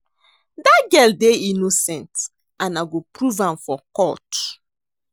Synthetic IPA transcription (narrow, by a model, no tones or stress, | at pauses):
daɡɛldeinosɛ̃nt | ãnaɡopɹuvãmfɔkɔt